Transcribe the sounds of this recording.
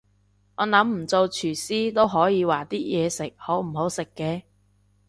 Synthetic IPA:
ŋɔː˨˧nɐ˨˥mm̩˨˩t͡so˧wt͡ʃʰyː˨˩siː˥t̪o˥wɦɔː˨˥jiː˨˧waː˨˩t̪iː˥jɛː˨˧sɪ˨k̚ho˨˥wm̩˨˩ɦo˨˥wsɪ˨kːɛː˧

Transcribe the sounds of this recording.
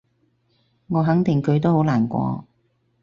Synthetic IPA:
ŋɔː˨˧ɦɐ˨˥ŋt̪ɪ˨ŋkʰɵ˨˧ɥt̪̬o˥who˨˥wlaː˨˩nkʷɔ̰ː˧

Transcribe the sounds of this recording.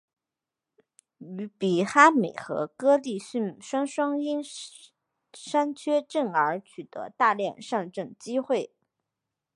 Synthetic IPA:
y˧˥pi˨˥˩xa˥me˨˩ɪxɤ̰˧˥kɤ˥t̪i˥˧ɕy˥˩nʂwa˥nʂwɑ˥ŋi˥n | ʂa˥nt͡ɕʰɥɛ˥ʈ͡ʂɤ˥˩ŋə˞˧˥t͡ɕʰy˨˩t̪ɤ̰˧˥t̪a˥˧ljɛ˥˧nʂɑ˥˧nʈ͡ʂɤ˥˩ŋt͡ɕi˥xwe˥˩ɪ

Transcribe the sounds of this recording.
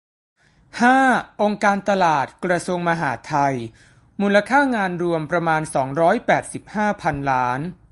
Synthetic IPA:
haː˥˩ʔo˧ŋkaː˧nt̪a˧laː˨˩t̪̚kɾa˧su˧əŋma˧ɦaː˩˦t̪ʰa˧j | muː˧la˧kʰaː˥˩ŋaː˧nɾu˧əmpɾa˧maː˧nsɔː˩˦ŋɾɔː˦˥jpɛː˨˩t̪̚si˨˩p̚haː˥˩pʰa˧nlaː˦˥n

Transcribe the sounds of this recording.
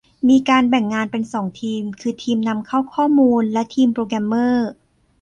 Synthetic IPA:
miː˧kaː˧nbɛ˨˩ŋːaː˧npe˧nsɔː˩˦ŋt̪ʰiː˧mkʰɯː˧t̪ʰiː˧mna˧mkʰa˥˩wkʰɔː˥˩muː˧nlɛ˦˥t̪ʰiː˧mpɾoː˧k̬ɾɛ˧mːɤː˥˩

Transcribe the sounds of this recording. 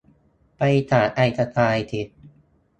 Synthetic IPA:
pa˧jt̪ʰaː˨˩t̪̚ʔa˧jt̪a˧t̪ʰaː˧jt̪ʰi˨˩t̪̚

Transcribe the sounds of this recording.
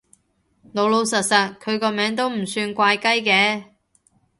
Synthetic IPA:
no˨˧wlo˧wsɐ˨˩t̚sɐ˨t̚kʰɵ˨˧ɥkɔː˧mɛː˨˥ŋt̪̬o˥wm̩˨˩syː˧nkʷaː˧jkɐ˥jkɛː˧˥

